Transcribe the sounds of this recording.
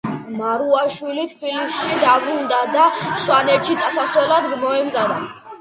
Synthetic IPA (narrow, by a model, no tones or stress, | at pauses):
maɾuaʃwilit̪ʰpilisʃid̪abɾund̪ad̪aswanɛɾt͡ʃit̪ʼasast̪wɛlad̪ɡmɔɛmd̪zana